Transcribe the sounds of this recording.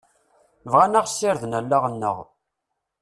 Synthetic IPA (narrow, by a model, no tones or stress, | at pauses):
vʁanaʁsːɪɾðnælːaʁənːə̰ʁ